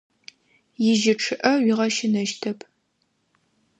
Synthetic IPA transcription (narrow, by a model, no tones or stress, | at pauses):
jɪʒɪʈ͡ʂʰɨʔɐɥiʁɐʃɪnɐʃtʰɐpʰ